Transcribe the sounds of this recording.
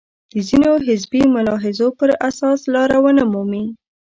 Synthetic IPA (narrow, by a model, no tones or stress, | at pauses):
d̪̥əzinoɦɪzbimʊlɑɦɪzopəɾasɑslɑɾawənamumi